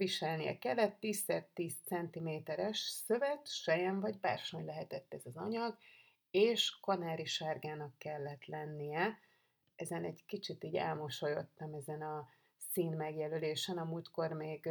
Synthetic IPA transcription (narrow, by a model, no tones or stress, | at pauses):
viʃɛlnijɛ̰kɛlːɛt̪ːiːsːɛrt̪iːst̪sɛnt̪imeːt̪ɛɾɛʃsøvɛt̪ʃɛjɛɱvɒɟba̰ːrʃo̞ɲlɛɦɛt̪ɛt̪ːɛzɒzɒɲɒɡ | eːʃkɒnaːɾiʃaːrɡaːnɒkːɛlːɛt̪lɛnːijɛ | ɛzɛnɛɟkit͡ʃit̪iːɟɛ̰lmoʃo̞jo̞̰t̪ːɒmɛzɛnɒ | siːnmɛɡjɛløleːʃɛnɒmuːlt̪ko̞rmeːɡ